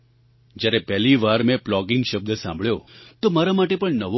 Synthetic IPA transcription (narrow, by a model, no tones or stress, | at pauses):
d͡ʒjaɾepɛɦliʋaɾmẽplɔɡɪŋɡʃəb̚d̪əsã̰mbʱɭjot̪omaɾamaʈepəɳnəʋo